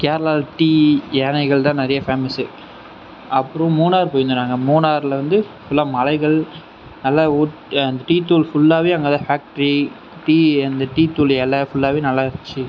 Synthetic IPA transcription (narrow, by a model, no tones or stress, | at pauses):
kaːɾɐlaːlʈiːjeːnɐɪɣɐɭt̪ãːnɪɾɐjɐfaːmɪsi | ɐpːɯɾʊ̃muːnaːɾpoːjɪnd̪ɯnaːŋɡɐmuːnaːɾɪlɐʋɐnd̪ɯ | sʊlːɐmɐlɐɪɣɐɭ | nɐlːaːuːʈɐnd̪ɐʈiːt̪uːlfʊɭːaːʋeːɐŋɡɐt̪ãːfaːk̚ʈɐɾi | ʈiːɐnd̪ɐʈiːt̪uːlɛlɐfʊɭːaːʋeːnɐlːaːɪɾɪt͡ʃːɯ